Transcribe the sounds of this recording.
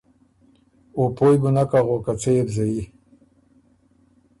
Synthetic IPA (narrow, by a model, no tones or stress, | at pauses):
opojbunakaɣokat͡sejebzaji